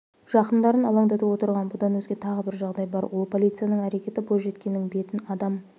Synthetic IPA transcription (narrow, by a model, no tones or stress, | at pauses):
ʒ̥ɑqənd̪ɑɾənɑlˠɑɴd̪ɑt̪uwo̞t̪əɾʁɑnbʊd̪ɑnwɵzɡʲe̞t̪ʰɑʁəbɪɾʒɑʁd̪ɑjbɑ̰ɾwo̞lˠpʰo̞lʲˠijt̪sɨjanəɴæɾe̞kʲe̞t̪ɪboj̪ˠʒe̞t̪kʲe̞nːɪŋbe̞t̪ɪnɑd̪ɑm